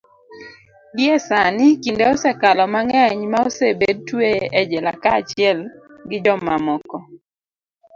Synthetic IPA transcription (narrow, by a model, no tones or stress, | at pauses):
djɛsanɪkindeosɛkalɔmaŋɛɲmaosebed̚tweɛd͡ʒɛla̰kat͡ʃɪɛl | ɡɪd͡ʒɔmamɔkɔ